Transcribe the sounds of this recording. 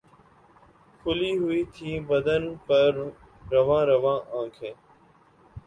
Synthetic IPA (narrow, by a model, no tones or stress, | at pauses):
kʰʊliːɦʊiːt̪ʰiːbəd̪ənpəɾː | əʋãːɾəʋãːʔãːkʰẽː